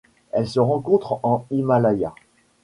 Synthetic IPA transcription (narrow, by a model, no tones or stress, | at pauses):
ɛlsəʁɑ̃kɔ̃t̪χɑ̃imalaja